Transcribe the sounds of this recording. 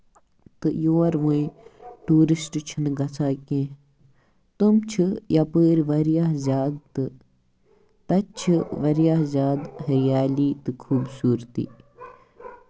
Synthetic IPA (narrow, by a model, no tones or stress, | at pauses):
t̪ɨjoːɐɾʋũĩʈuːɾisʈt͡ʃʰinɡɐt͡sʰaːkẽː | t̪umt͡ʃʰijɐpəːɾʲʋɐɾjaːɦzʲaːd̪̚t̪ɨ | t̪ɐt͡ʃʰɨʋɐɾjaːɦzʲaːd̪ɦɐɾijaːliːt̪ɨkʰuːbsuːɾt̪ḭː